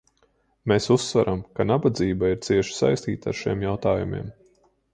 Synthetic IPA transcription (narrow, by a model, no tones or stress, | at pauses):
mesusːvaɾʔamkanabad̪ziːbaiɾt̪siɛʃi̥sa̰jst̪iːt̪a̰ɾʃiɛmjawt̪aːjumʲḭɛm